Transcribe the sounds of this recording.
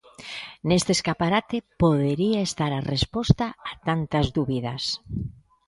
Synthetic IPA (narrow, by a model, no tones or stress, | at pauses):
nest̪eːskapaɾat̪epoðeɾiaest̪aɾarespoɔst̪aːt̪ant̪azðuβiðas